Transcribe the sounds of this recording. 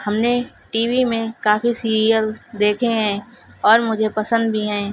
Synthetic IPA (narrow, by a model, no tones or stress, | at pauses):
hɐmne | ʈiːwimẽkaːfisiːɾijəld̪eːkʰeɦɛ̃ː | ɔːɾmʊd͡ʒʱepɐsə̃nd̪bʱiɦɛ̃ː